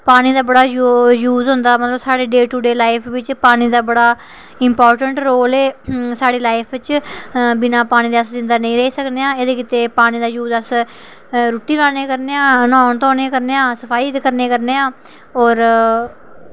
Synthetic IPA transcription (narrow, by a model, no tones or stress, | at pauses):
paːñiːd̪aːbəɽaːjjuːzɦʊ̃nd̪aːmət̪ləbsaːɽeːɖeːʈuːɖeːlaːipʰʋɪt͡ʃpaːñiːd̪aːbəɽaː | ɪmpɔːɾʈəɳʈɾoːleːsaːɽeːlaːɪpʰt͡ʃbɪnãːpaːñiːd̪eəsd͡ʒɪ̃nd̪aːnəĩːɾəɦiːsəkneːãːed̪eːkɪt̪eːpaːñĩːd̪aːjuːzəs | ɾuːʈːiːnaːneːkəɾneːãːnɔ̃ːnt̪ɔːneːkəɾneːãːsəpʰaːiːt̪kəɾneːkəɾneːãː | ɔːɾ